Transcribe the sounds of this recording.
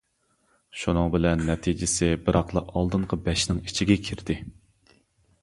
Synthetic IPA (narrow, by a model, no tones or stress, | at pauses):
ʃunɨŋbɪlɛnːɛt̪ʰid͡ʒɪsɪbɪɾɑqlˠɑɑlˠd̪ɨɴqʰəbɛʃnɪŋit͡ʃʰiɡʲɛkʲʰiɾd̪ɪ